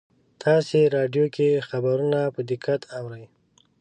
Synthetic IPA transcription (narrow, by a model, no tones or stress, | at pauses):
t̪ʰɑseɾɑɖjokexabaɾunapəd̪ɪkat̪ʰawɾəj